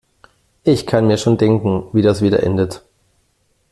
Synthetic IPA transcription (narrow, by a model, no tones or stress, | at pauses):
ʔɪçkʰanmiːɐʃoːndɛŋkŋ̩viːdasv̥iːdɐ̰ʔɛ̰ndət